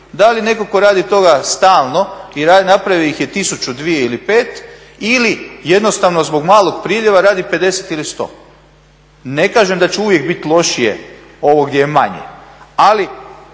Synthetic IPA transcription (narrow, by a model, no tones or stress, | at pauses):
d̪aline̞ko̞ko̞ɾaːd̪it̪o̞ɡast̪aːlˠno̞iɾanapɾaʋiojixjet̪isut͡ʃud̪ʋije̞ilipe̞ːt̪ | ilije̞d̪no̞st̪aʋno̞zbo̞ɡmaːlo̞ɡpɾiːʎeʋaɾaːd̪ipe̞d̪e̞set̪ilist̪o̞̰ː | ne̞kaːʒemd̪at͡ɕeuʋje̞ɡbit̪lˠo̞ʃijḛ | o̞ʋoɡd̪ʲjejemaɲḛali